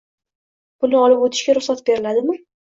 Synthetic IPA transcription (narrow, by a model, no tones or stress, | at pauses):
b̥ʊnɪɒlɪpot̪ʰɪ̥ʃkʲaɾʊχsat̪̚be̞ɾɪlad̪ɪmɪ